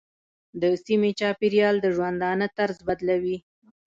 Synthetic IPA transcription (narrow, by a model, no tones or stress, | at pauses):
d̪əsimet͡ʃɑpiɾjɑld̪əʒwand̪ɑnət̪aɾzbad̪lawi